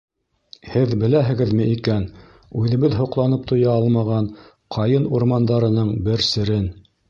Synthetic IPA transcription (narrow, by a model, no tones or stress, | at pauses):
hɘðbɘ̆læɦɘ̆ɡɘ̆ðmɘ̆ʔikæn | ʉðɘ̆βɘðɦŏqlˠɑnɤp̚t̪ŏjɑɑlˠmɑʁɑn | qʰɑjɤnuɾmɑnd̪ɑɾɤ̆nɤɴbɘɾsɘ̆ɾɘn